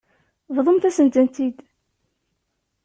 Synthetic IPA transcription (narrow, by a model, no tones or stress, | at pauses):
vðˤəmθæsənd̪ænt̪id̪